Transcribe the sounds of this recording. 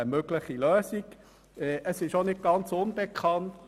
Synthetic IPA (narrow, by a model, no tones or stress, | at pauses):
əmøɡləχilœːsiɡ | ɛʔəsɪʃonɪt̚ɡ̥ɑnt͡sʊnb̥ekχɑnt